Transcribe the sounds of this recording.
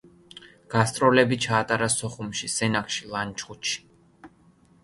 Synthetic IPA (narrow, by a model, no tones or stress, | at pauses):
ɡ̥ast̪ʼɾɔlɛbit͡ʃʰaːt̪ʼaɾasɔχumʃisɛnakʰʼʃilˠant͡ʃʰʼχut̪ʃi̥